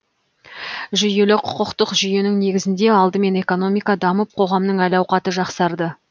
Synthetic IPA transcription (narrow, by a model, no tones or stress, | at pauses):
ʒʏje̞lɪqʰʊ̥qəqt̪əqʒʏje̞nɪŋne̞ɡʲɪzɪnd̪e̞ɑlˠd̪əme̞ne̞ko̞no̞mijkɑd̪ɑməp̚qʰo̞ʁɑmnəɴŋælɑwqɑt̪əʒɑqsɑɾd̪ə